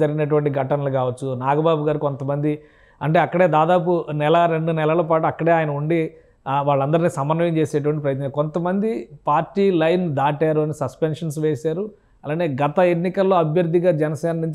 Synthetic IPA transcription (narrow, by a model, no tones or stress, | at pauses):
d͡ʒɐɾiɡinɐʈ̬uʋɐɳʈiɡʱɐʈɐnɐlukaːʋɐt͡ʃːunaːɡɐbaːbuɡaːɾuko̞nt̪ɐmɐnd̪i | ɐɳʈe̞ːɐkːɐɽe̞ːd̪aːd̪aːp̬unɛlɐɾe̞ɳɖunɛlɐlɐpaːʈuɐkːɐɽe̞aːjɐnɐuɳɖi | ʋaːɭːɐnd̪ɐɾiniːsɐmɐnːʋɐjɐmt͡ʃe̞ːseːʈ̬uʋɐɳʈip̬ɾɐjɐt̪nɐko̞nt̪ɐmɐnd̪ipaːɾʈːiːlɐjnd̪aːʈaːɾuɐnisɐspenʂɐns̬ʋeːsaːɾu | ɐlaːne̞ːɡɐt̪ɐe̞nːikɐlːo̞ːɐbʱjɐɾd̪ʱːiɡaːd͡ʒɛnɐsɛːnɐnuɲt͡ʃ